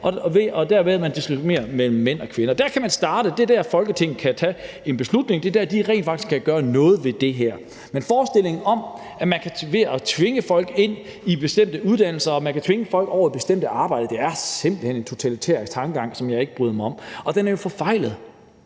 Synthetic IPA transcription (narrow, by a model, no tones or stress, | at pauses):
ʔɒ̽ʋeʔɒ̽d̥æɐmeðæmænd̥isʁime̝̰ːɐmel̰m̩ːen̰ɒ̽kʰʋenɐd̥æɐkʰæmænsd̥ɑ̈ːɾ̥əd̥e̝dæɐfɒ̽lɡ̥ət͡sʰe̝ŋ̰n̩kʰæt͡sʰɛ | e̝nb̥e̝slud̥ne̝ŋd̥e̝d̥æɐd̥iʁɛ̰nd̥fɑɡ̥d̥isɡ̥kʰæɡ̥ɶːɐnɔ̽ːð̞̩ˠʋe̝d̥e̝ɦæɐ̰ | menfɒːsd̥e̝l̰e̝ŋn̩ɒ̽m | æmænkʰæʋe̝ɒt͡sʰʋe̝ŋəfɒ̽l̰ɡ̥e̝n̰ | ib̥e̝sd̥em̰d̥əuðˠd̥æn̰l̩sɐɒ̽mænkʰæt͡sʰʋe̝ŋəfɒ̽l̰ɡ̥ɒʊ̰ɐib̥e̝sd̥em̰d̥əɑ̈ːb̥ɑ̈ɪ̰d̥əd̥e̝æɐse̝m̰b̥lihenent͡sʰo̝t͡sʰælit͡sʰɛɐ̰isɡ̥t͡sʰɑ̈ŋɡ̥əɡɑ̈ŋ̰sɒ̽mjɑ̈e̝ɡ̥əb̥ʁyːðˠmɑɒ̽mɒ̽d̥enæɐjo̝fɒ̽fɑ̈ɪ̰lð̞̩ˠ